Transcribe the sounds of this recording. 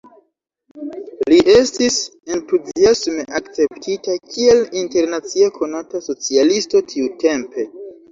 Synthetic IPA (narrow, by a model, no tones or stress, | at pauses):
liʔe̞stise̞ntuziasme̞ʔakt͡se̞ptʰitakʰie̞linte̞ɾnat͡siekʰo̞nataso̞t͡sialisto̞tʰiute̞mpe̞